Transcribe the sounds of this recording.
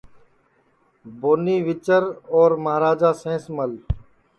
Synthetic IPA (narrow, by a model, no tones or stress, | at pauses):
boːniːʋɪt͡ʃəɾɔːɾməɦɾaːd͡ʒaːsẽːsməl